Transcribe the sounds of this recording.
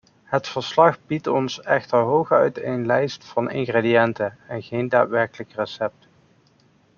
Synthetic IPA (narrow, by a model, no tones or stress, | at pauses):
ɦətfəɹslɑχbitɔnsɛχtəɹɦowχœɥtejnlɛjstfɑnɪ̰ŋɣreːdiɛntəɛnɣejnda̰ːtʋɛɹkələkrəsɛp̚t